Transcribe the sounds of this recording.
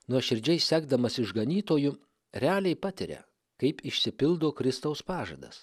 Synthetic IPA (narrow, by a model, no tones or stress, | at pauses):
nuɔʃʲɪɾʲd͡ʒʲɛɪsʲsʲæːɡd̪ɐmɐsʲɪʒɡɐnʲiːt̪oːjʊ | ɾʲæːlʲɛɪpɑt̪ʲɪɾʲɛ̰ | kɐɪpɪʃʲsʲɪpʲɪlˠd̪oːkɾʲɪst̪ɐʊspɑːʒɐ̰d̪ɐ̰s